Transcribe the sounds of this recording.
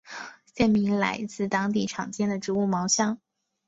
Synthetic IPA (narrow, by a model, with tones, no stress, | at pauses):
sjɛ˥˩nmi˧˥ŋla̰˧˥ɪt͡sɹ̩˥˩t̪ɑ˥ŋt̪̬i˥˩ʈ͡ʂʰɑ˨˩ŋt͡ɕjɛ˥nd̪ə˨ʈ͡ʂɻ̩˧˥u˥˩mɑ˧˥ʊɕjɑ˥ŋ